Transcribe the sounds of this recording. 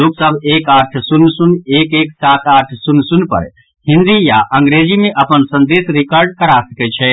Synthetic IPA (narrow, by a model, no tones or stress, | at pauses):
loksəbʱekaʈʰsunːsunekeksat̪aʈʰsunːsunpə̰ɾ | hind̪ijaʔəŋɡɾed͡ʒimeʔəpənsə̃nd̪esɾikəɾɖkəɾasəkɛt͡ʃʰɛ